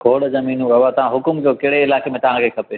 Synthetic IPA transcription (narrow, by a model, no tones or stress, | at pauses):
ɡʰʱoːɽzɐmiːnũɐʋat̪ɐʋ̤ãɦʊkʊmkokeɦɽeɪlaːkemẽt̪ɐʋ̤ãkʰekʰɐpeː